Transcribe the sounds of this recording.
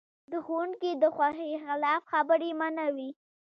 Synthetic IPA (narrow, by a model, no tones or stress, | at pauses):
d̪əxwuɳkid̪əxwaxexɪlɑfxabəɾemanawi